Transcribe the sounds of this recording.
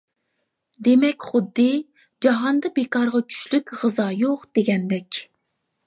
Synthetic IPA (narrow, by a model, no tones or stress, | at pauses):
d̪emɛkʲχʊd̪ːɨ | d͡ʒɑɦɑnd̪ɑbekɑɾʁɑt͡ʃʰy̥ʃlykʲʁəzɑjoqd̪̥eɡʲɛnd̪ɛkʲ